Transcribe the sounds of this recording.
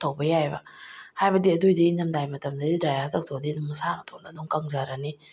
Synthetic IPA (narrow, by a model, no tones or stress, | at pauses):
t̪ʰowbəjajba̰haːjbad̪idujd̪iɲamdajmat̪əmd̪ididajat̪ʰək̚t̪ʰod̪inmsamat̪ʰɔdadɔŋkaŋzaɾani